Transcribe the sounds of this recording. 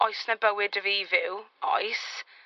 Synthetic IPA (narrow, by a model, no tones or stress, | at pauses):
ɔjsnəbəwɪdəviːvɪwɔ̰js